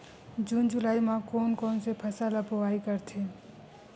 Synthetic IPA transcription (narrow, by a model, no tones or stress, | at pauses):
d͡ʒuːnd͡ʒʊlaːimãkoːnkoːnsepʰəsaːlapoʋaːikəɾt̪ʰeː